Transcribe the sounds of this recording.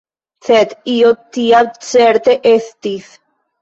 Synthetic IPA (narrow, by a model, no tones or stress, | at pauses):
θɛt̪iot̪ːiat͡sɛɾt̪eʔeθt̪iθ